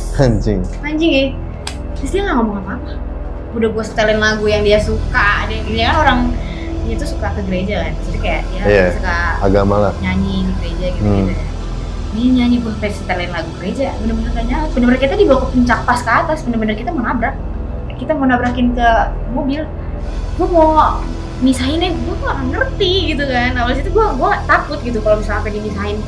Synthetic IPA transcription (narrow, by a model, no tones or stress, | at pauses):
kaɲd͡ʒɪŋmaɲd͡ʒɪŋɪh | dist̪iaŋaŋomoŋanmapa | udahbuasə̥t̪alɛnlaɡujaŋdiasukadɛɡiɲakanoɾaŋ | diat̪usukakəɡəɾed͡ʒakand͡ʒat̪ikaja̰ʔijajasukaaɡamalahɲaɲɪŋɡəɾed͡ʒaɡit̪kit̪aja | diɲaɲiɡuapasət̪alaɪnlaɡuɡəɾed͡ʒabəndərbənərkaɲabəndəbənarkit̪adibaakkəɲt͡ʃak̚paskəat̪asbəndərbənərkit̪amonabɾak̚ | kit̪amonabɾakɪnkə | mobɪl | ɡuamo | misaɦɪnaɡuat̪uakanŋərt̪iɡit̪̬ukanawalsit̪uɡuaɡuat̪akʊt̪̚ɡit̪ukalobisaŋapadimisaɦɪn